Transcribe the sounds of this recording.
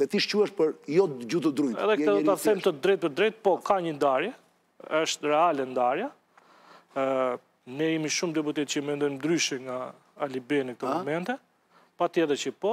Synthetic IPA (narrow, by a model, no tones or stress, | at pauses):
t̪ɛt̪iʃcuɛʃpəɾjɔd͡ʒut̪əd̪ɾujɛɛ̰ðɛk̪ɛd̪ɔt̪aθɛmt̪əd̪ɾɛjt̪̚pəɾd̪ɾɛt̪̚pɔkaɲənd̪aɾjɛ | əʃt̪rɛalɛnd̪aɾja | nɛjimiʃumd̪ɛp̬ut̪ɛt̪t͡ɕəmɛnd̪ɔjmd̪ɾyʃɛŋɡaː | libɛnək̚t̪ɔmɔmɛnt̪ɛ | pat̪iɛðɛt͡ɕəpɔ